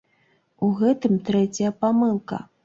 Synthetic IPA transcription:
uɣɛt̪ɨmt̪ɾɛt͡sʲjɐpamɨlˠkɐ̰

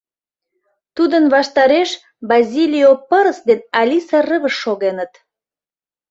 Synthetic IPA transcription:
t̪ud̪ənβɑʃt̪ɑɾeʃ | bɑzʲilʲiopəɾəsd̪enɑlʲisɑrəβəʃːoɣenət̪

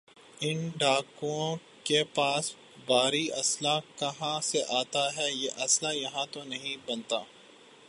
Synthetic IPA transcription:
ɪnɖaːkuõ | kepaːs | baːɾiɐslakɐɦãseʔaːt̪aɦɛjeʔɐslajɐɦãt̪onɐɦĩbɐnt̪aː

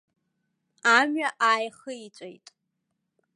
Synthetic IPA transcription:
amɥaʔaːjχəit͡ɕʷʼejtʼ

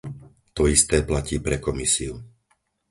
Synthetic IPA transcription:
t̪ɔist̪ɛːplaciːpɾɛkɔmisiu

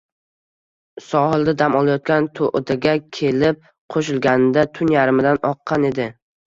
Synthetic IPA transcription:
sɒhɪlˠd̪ad̪amɒlˠajɒt̪̚kʲant̪ʰoʔd̪aɡʲakʲʰe̞lɪp̚ | qʰoʃɪlˠɡʲanɪd̪at̪ʰʊnjaɾɪmɪd̪anɒqʰːɑne̞d̪ɪ

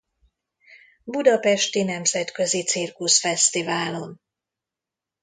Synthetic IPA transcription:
bud̪ɒpɛʃt̪inɛmzɛt̪kø̞zit̪sirkusfɛst̪ivaːlo̞n

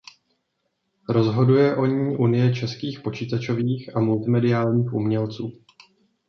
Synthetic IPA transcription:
ɾo̞zɦo̞dujɛʔo̞ɲiːʔunɪjɛt͡ʃɛskiːxpo̞t͡ʃiːt̪at͡ʃo̞viːxʔamult̪ɪmɛdɪaːlɲiːxʔumɲɛlt͡suː

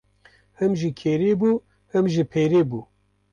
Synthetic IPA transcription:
hɨmʒikʰeːɾeːbuː | hɨmʒipʰeːɾeːbuː

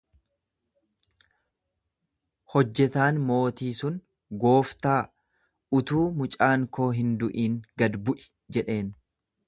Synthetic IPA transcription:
hɔd͡ʒːɛt̪aːnmo̞ːt̪iːsʊn | ɡo̞ːft̪aː | ʊt̪uːmʊt͡ʃʼaːŋko̞ːɦɪnd̪ʊʔiːŋɡɐd̪bʊʔɪ̥ | d͡ʒɛᶑe̞ːn

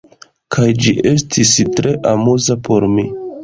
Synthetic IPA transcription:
kʰajd͡ʒiʔe̞stʰistɾe̞ʔamuzapʰo̞ɾmi

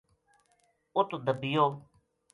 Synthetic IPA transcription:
ʊt̪d̪əbijoː

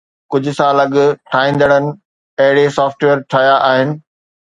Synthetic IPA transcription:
kʊd͡ʑʱʊ̆sãlɐɠʈʰaːĩːnd̪əɽ̃ənɪ̆ | ɐɦɪɽesɔːfʈʋeːɾʈʰaːjaʔaːɦɪnɪ̆

